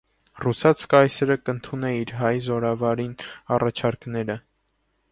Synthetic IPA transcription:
rusɑt͡sʰkɑjsɛɾəkənt̪ʰunɛiɾɦɑjzɔɾɑvɑɾinɑrɑt͡ʃʰɑɾknɛɾə

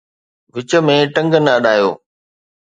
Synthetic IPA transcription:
ʋɪt͡ɕə̆mẽʈɐ̃ŋɡənəɐɗaːjo̰ː

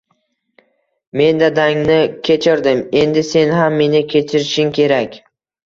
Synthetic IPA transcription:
me̞nd̪ad̪aŋnɪkʲʰe̞t͡ʃʰɪɾd̪ɪme̞nd̪ɪse̞nɦamːe̞nɪkʲʰe̞t͡ʃʰɪɾɪʃɪŋkʲʰe̞ɾakʲ

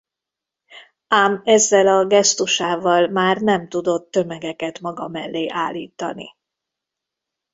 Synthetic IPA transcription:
aːmɛzːɛlɒɡɛst̪uʃaːvɒlmaːrnɛmt̪ud̪o̞t̪ːø̞mɛɡɛkɛt̪mɒɡɒmɛlːeːʔaːlːiːt̪ɒ̰nḭ

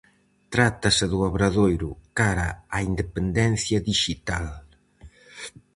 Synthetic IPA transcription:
t̪ɾat̪ɐseðuaβɾaðojɾʊkaɾaaind̪epend̪ɛnθjɐðiʃit̪al

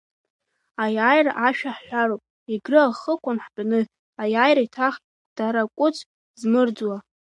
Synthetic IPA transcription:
ajajraʔaʃᶣaħħʷᶣaɾowpʼ | iɡrɨaχəkʷʰanħbnɨ | ajajɾaitʰaχʲʼ | d̥aɾakʷʼʊt͡sʰʼ | zmɨrd͡zwa

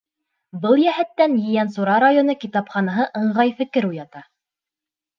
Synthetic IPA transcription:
bɤlˠjæɦæt̪ːænjɘ̆jænsuɾɑɾajonɤkit̪ɑpχɑnɑɦɤʔɤ̆ɴʁɑjfɘ̆kɘɾujɑt̪ɑ

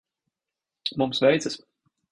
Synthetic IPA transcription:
mumsvɛjt̪sɛs

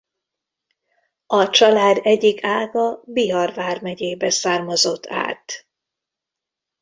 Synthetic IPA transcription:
ɒt͡ʃɒlaːd̪ɛɟikʰaːlɡɒbiɦɒrvaːrmɛɟeːbɛsaːrmɒzo̞t̪ʰːa̰ːt̪

